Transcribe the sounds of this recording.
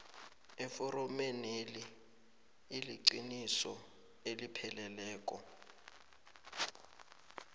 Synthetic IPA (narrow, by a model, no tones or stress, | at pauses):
ɛfɔɾɔmeneliː | liǀinisɔ̰ | elipʰɛlɛlɛːk̬ʼɔ